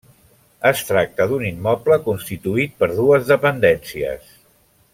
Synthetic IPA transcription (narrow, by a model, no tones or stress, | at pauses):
əst̪ɾak̚t̪əðunimːɔpləkunst̪it̪uit̪̚pəɾð̞uəzðəpənd̪ɛnsiə̰s